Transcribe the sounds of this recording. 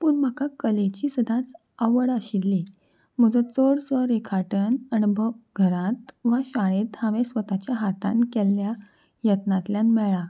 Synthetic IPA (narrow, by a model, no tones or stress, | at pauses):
puːɳm̤əkakəlet͡ɕiːsəd̪ʱãt͡s | əʋəɽəɕilːi | m̤əd͡zə̃t͡soɽsʋəɾekʰaʈənənbʱəɡʱəɾãt̪ʋaɕaɽ̃ẽt̪haʋesʋət̪at͡ɕjaɦat̪ã̰nkɛlːja | jət̪nãt̪ljãnmɛɭa